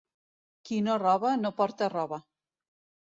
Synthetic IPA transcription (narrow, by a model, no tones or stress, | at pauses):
kinorɔβanopɔɾt̪arɔβa